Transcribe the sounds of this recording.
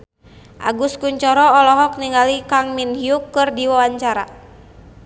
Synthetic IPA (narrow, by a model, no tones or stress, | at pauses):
ʔa̰ɡuskuɲt͡ʃɔɾɔːlɔɦɔk̚niŋɡalikaŋminhiukːɨrdiwawaɲt͡ʃaɾa̰